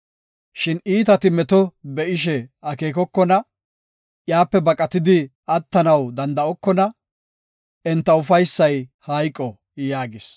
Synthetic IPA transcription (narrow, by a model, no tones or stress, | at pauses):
ʃɪniːt̪ɐt̪ɪmɛt̪ɔbɛʔɪʃɛɐke̞ːkɔkːɔnɐ | ʔjaːpːɛbɐkʼːɐt̪ɪd̪ɪ | ɐt̪ːɐnɐwd̪ɐnd̪ɐɔkːɔnɐ | ɛnt̪ːɐʊfɐjsːɐjhɐjkʼːɔ | jaːɡɪs